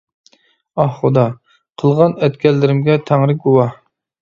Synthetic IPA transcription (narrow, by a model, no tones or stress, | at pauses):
ɑhχʊd̪ɑ | qʰəlˠʁɑnɛt̪kʲɛlːɪɾɪmɡʲɛt̪ʰæŋɾɪɡuwɑh